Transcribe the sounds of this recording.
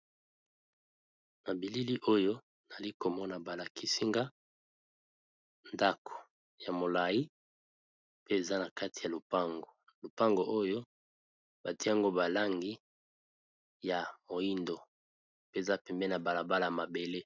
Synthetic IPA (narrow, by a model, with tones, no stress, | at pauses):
na˨bi˨li˦li˦ʔo˦jo˦ | na˨li˦ko˨mɔ˦na˨ba˨la˨kʰi˦si˦ŋɡa˦ | nda˦kʰo̥˨ | ja˨mo˨la˨i˦ | pe˦e˨za˦na˨ka˦ti˨ja˨lo˨pa˦ŋɡo˨ | lo˨pa˦ŋɡo˨ʔo˦jo˦ | ba˨ti˦a˨ŋɡo˦ba˨la˦ŋɡi˦ | ja˨mo˨i˦ndo˨ | pe˦e˨za˦pɛ˨mbɛ˦na˨ba˨la˨ba˦la˨a˨ma˨be˨le˦